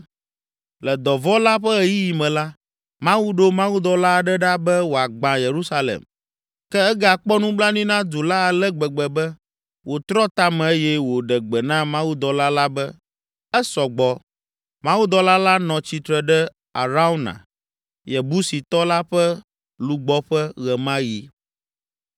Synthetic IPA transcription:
lɛ˨d̪ɔ˨vɔ˦la˦ɸɛ˦ɛ˨ji˦ji˨mɛ̃˨la˦ | mã˦wu˦ɖo˦mã˦wu˦d̪ɔ˨la˦˨ɖɛ˦ɖa˦bɛ˦wo˨a˨ɡ͡bã˨je˨ɾu˦sa˦lḛ˨m | kɛ˦ɛ˦ɡa˨k͡pɔ˦nũ˦bla˦nĩ˦nã˦d̪u˨la˦a˨lɛ˦ɡ͡bɛ˨ɡ͡bɛ˨bɛ˦ | wʔo˨t̪ɾɔ˦t̪a˦mɛ̃˨e˦jɛ˦wo˨ɖɛ˨ɡ͡bɛ˨nã˦mã˦wu˦d̪ɔ˨la˦la˦bɛ˦ | ɛ˦sɔ˨ɡ͡bɔ˨ | mã˦wu˦d̪ɔ˨la˦la˦nɔ̃˨t͡ɕi˨t̪ɾɛ˨ɖɛ˦ | a̰˨ɾa˦u˦nã̰˨ | jɛ˨bu˦si˨t̪ɔ˦la˦ɸɛ˦ | lu˨ɡ͡bɔ˦ɸɛ˦ɣɛ˨mã˦ji˨

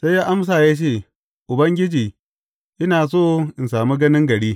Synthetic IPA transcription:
sa˦jaː˦ʔa˦ms̬aː˨jaː˦t͡ʃeː˦˨ | ʔʊ˨bɐ˦ŋɡʲɪ˦d͡ʒiː˨ | ʔɪ˦naː˨soː˦˨ʔɪ˨nsaː˨mi˦ɡɐ˦nɪ˦ŋɡɐ˨ɽiː˦

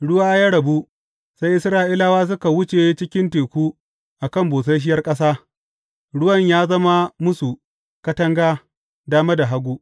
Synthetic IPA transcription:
ɽʊ˦waː˦jaː˦ɽɐ˨bu˦ | sa˦jʔɪ˦sɾaː˦ʔɪ˦la˦waː˦s̬ʊ˦ka˨wʊ˦t͡ʃe˨˦t͡ʃɪ˦kʲɪ˦nteː˨kʷuː˦ | ʔa˨kɐ˦˨mboː˨s̬a˦jʃ̬ɪ˦jɐ˦rkʼɐ˦s̬aː˦ | ɽʊ˦wɐ˦˨ɲjaː˦zɐ˦ma˦mʊ˦su˨ | kɐ˦tɐ˦ŋɡaː˦ | daː˦ma˦da˨ɦa˦ɡʷuː˦

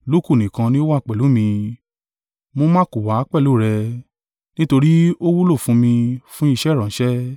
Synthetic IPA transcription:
lo˦˨ku˦˨nĩ˨kã˧nĩ˦o˦wa˦˨k͡pɛ˨lu˨˦mĩ˧ | mo˨˧mã˦ku˨wa˨˦k͡pɛ˦˨lo˦˨ɾɛ˧ | nĩ˦to˧ɾi˦o˦wu˦lo˦˨fũ˧˦mĩ˧fũ˦i˦˧ʃɛ˦ɾã˨˦ʃɛ˦

